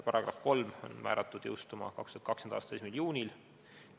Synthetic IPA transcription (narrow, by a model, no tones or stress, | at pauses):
pɑɾɑɡ̥rɑ̰fko̞lmo̞̰nmæ̰ːɾʔɑt̪ːˑud̪̥jɤwst̪umɑ̰kɑ̰kst̪uɑt̪kɑksenɑ̰ːst̪ɑesmiljuːnʲil